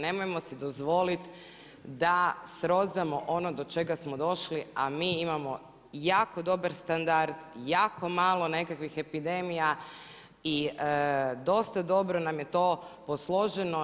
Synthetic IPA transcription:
ne̞mojemo̞sid̪o̞zʋo̞lit̪ | d̪asɾo̞zamo̞ʔo̞no̞d̪o̞t͡ʃe̞ɡasmod̪o̞ʃliamiːimamo̞ | jaːko̞d̪o̞baɾst̪and̪aɾd̪jaːko̞maːlˠo̞ne̞kakʋixe̞pid̪emija | iəd̪o̞st̪ad̪o̞bɾo̞namje̞t̪o̞ːposlˠo̞ʒeno

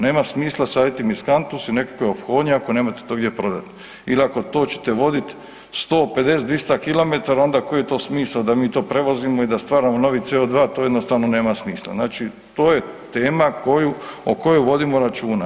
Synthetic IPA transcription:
ne̞ːmasmiːslˠasaːjit̪imiskant̪usine̞kḁkʋeo̞pxo̞ːd̪ɲeakoneːmat̪e̥t̪oːɡd̪je̞pɾo̞d̪at̪ | iliako̞t̪o̞ːt͡ɕe̥t̪e̞ʋo̞d̪it̪ | st̪o̞ːpe̞d̪e̞set̪ʋist̪akilo̞met̪aɾao̞nd̪aːkojet̪o̞ːsmiːslad̪amiːt̪oːpɾe̞ʋo̞zimoid̪ast̪ʋaːɾamono̞ʋit̪seod̪ʋaːt̪oːjed̪nost̪aːʋnone̞ːmasmiːsla̰znaːt͡ʃi | t̪oːje̞t̪e̞ːmakʰo̞juo̰ko̞juʋo̞d̪imo̞ɾat͡ʃuːna

